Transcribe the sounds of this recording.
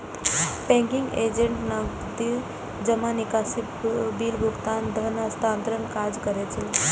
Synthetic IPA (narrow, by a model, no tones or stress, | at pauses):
pɛ̃ŋkiŋɡed͡ʒeɳʈnəɡ | d̪i | d͡ʒəmanikaːsi | biːlbʱuɡt̪aːnd̪ʱənəst̪aːnt̪ɾənkad͡ʒkəɾet͡ʃʰi